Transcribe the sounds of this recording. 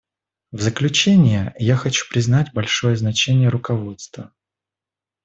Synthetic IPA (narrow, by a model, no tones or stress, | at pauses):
vzəklʲʉt͡ɕenʲɪjəjaxɐt͡ɕu̥pɾʲɪznatʲbɐlʲʂo̞jəznɐt͡ɕenʲɪjəɾʊkɐvo̞t̪st̪və